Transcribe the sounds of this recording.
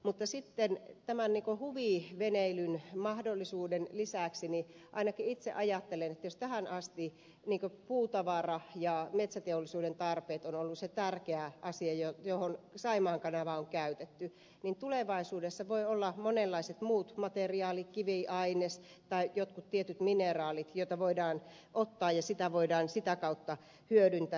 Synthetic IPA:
mut̪ːɑsit̪ːent̪æmænniːŋkohuʋiˑʋeneilynmɑhdolːisuːdenlisæˑksini | ʔɑ̰inɑkiit̪sḛʔɑjɑt̪ːelenet̪ːæjost̪æhænɑst̪i | niːŋkøpuːt̪ɑʋɑrɑjɑmet̪sæt̪eolːˑisuːdent̪ɑrpeːt̪onolːusset̪ærkeæʔɑsiɑjojohonsɑimɑːŋkɑnɑʋɑoŋkæyt̪et̪ːy | nint̪uleʋɑisuːdesːɑʋoiolːɑmonelːɑiset̪muːt̪mɑt̪eriɑːlikiʋiʔɑines | t̪ɑijot̪kut̪t̪iet̪yt̪minerɑːlit̪joˑit̪ɑʋoidɑːn | ʔot̪ːɑːjɑsit̪æʋoidɑːnsit̪ækɑut̪ːɑ | hyødynt̪æ

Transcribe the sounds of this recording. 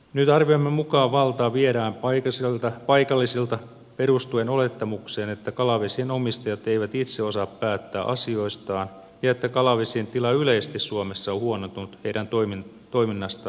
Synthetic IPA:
nyt̪ɑrʋioimːemukɑːʋʋɑlt̪ɑːʋieɾæːmpɑikɑselt̪ɑpɑjkɑlːisilt̪ɑ | perust̪ueno̞let̪ːɑmukseːnet̪ːækɑlɑʋesienomist̪ɑjɑt̪eiʋæt̪it̪seo̞sɑːppæːt̪ːæːʔɑ̰sio̞ist̪ɑːn | jɑet̪ːækɑlɑʋesient̪ilɑyleist̪issuomesːɑohuonot̪unt̪heiɾænt̪oimi | t̪o̞iminːɑst̪ɑ

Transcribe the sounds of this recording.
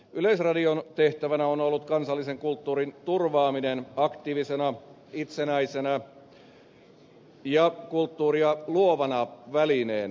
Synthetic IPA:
yleisrɑdiont̪eht̪æʋænæonolːut̪kɑnsɑlːiseŋkult̪ːuːrint̪urʋɑːminenɑkt̪iːʋisenɑ | it̪senæisenæ | jɑkult̪ːuːriɑluoʋɑnɑʋælineːn

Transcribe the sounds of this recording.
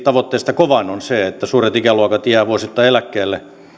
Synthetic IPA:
t̪ɑʋot̪ːeːst̪ɑkoʋɑnonseet̪ːæsuːret̪ikæluɑkɑt̪jæːʋuosit̪ːɑelækːeːlːe

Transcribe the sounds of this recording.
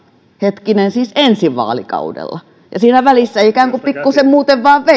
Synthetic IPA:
het̪kinensiːsensiʋʋɑ̰ːlḭkɑ̰udḛlːɑ | jɑsiːnæʋælisːæikæːŋkupikːusemmuːt̪eʋʋɑːʋʋe

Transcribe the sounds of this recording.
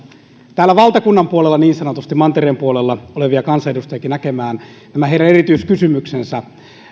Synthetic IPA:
t̪æːlːæʋɑlt̪ɑkunːɑmpuolelːɑniːnsɑnot̪ust̪imɑnt̪ereːmpuolelːɑoleʋiɑkɑnsɑeɾust̪ɑjɑkinækemæːn | t̪æmæeˑiɾæneit̪yiskysymyksensæ

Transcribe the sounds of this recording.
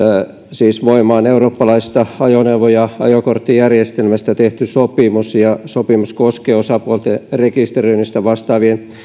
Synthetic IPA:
siːsʋoimɑːneuroːpːɑlɑist̪ɑɑjoneuʋojɑɑ̰jokort̪ːijærjest̪elmæst̪æt̪eht̪ysopimusjɑsopimuskoskeːosɑpuolt̪erekist̪erøinist̪æʋɑst̪ɑːʋien

